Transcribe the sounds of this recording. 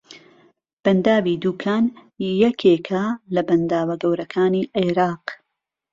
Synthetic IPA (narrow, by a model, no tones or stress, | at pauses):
b̥ɐnd̪aːwid̪uːkʰaːnjɐkʰeːkʰɐlɐbɐnd̪aːwɐɡɐwɾɐkʰaːniːʔiɾɑːq